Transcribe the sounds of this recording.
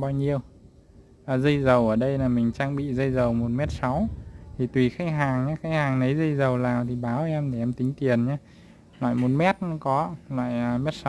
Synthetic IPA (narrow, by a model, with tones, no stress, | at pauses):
ɓaː˧wɲi˧əw | ʔaː˨˩zə˧jzə˨˩wʔəː˧˩ɗə˧jlaː˨˩mï˨˩ŋ̟t͡ɕaː˧ŋɓḭ˧˨zə˧jzə˨˩wmo˨˩t̚mɛ˦˥t̚sa˨˦wt̪ʰi˨˩t̪wi˨˩xa˦˥k̚ɦaː˨˩ŋɲaː˨˧˦xa˦˥k̚haː˨˩ŋnə˨˦jzə˧jzə˨˩wlaː˨˩wt̪ʰi˨˩ɓaː˨˦wʔɛ˧mɗe˨˩ʔɛ˧mt̪ï˨˦ŋ̟t̪i˨˩ənɲaː˧˦ | la̰ː˧˨jmo˨˩t̚mɛ˦˥t̚n˨˦kɔ˨˦lwa̰ː˧˨jəː˨˩mɛ˦˥t̚sa˨w